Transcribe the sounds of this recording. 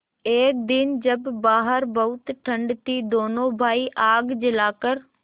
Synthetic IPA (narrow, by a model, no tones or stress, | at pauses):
eːk̚d̪ɪnd͡ʑɐbːaːɦəɾbɐɦʊt̪ʈʰɐ̃ɳɖt̪id̪oːnoːbʱaːiʔaːɡd͡ʑɪlaːkəɾ